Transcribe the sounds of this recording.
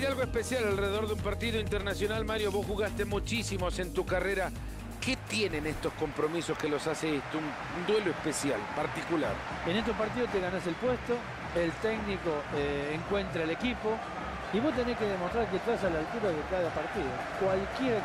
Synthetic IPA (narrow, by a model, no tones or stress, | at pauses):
t̪alɣoespesjalalreðeðo̞ɾðeumpaɾt̪iðoint̪eɾnasjo̞nalmaɾjo̞βo̞sxuɣast̪emut͡ʃisimo̞se̞nt̪ukareɾa | ke̞t̪jenenest̪o̞sko̞mpɾo̞miso̞skelo̞saseest̪oun | und̪we̞loehpesja̰lpaɾt̪ikula̰ɾ | enest̪opaɾt̪̬ið̞ost̪eɣanase̞lpwest̪o̞ | elt̪eɡniko̞eːŋkwe̞nt̪ɾaele̞kipo | iβo̞st̪enehkeðemost̪ɾaɾk̬et̪asalalt̪uɾaðekaðapaɾt̪iðokwalkjeɾa